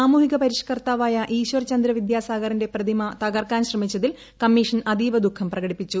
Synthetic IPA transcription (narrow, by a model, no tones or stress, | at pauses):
aːmuːɦiɣɐpɐɾiʂɐ̥kɐrt̪aːʋaːjɐʔiːɕʋɐrt͡ɕɐnd̪ɾɐʋid̪jaːsaːɡɐɾɐnde̞prɐd̪ʱimɐt̪ɐɡɐrkaːnɕrɐmit͡ɕːɐðil | kɐmːiːʂɐnɐd̪iːʋɐd̪ukʰːɐmprɐɣɐɽipːit͡ɕːu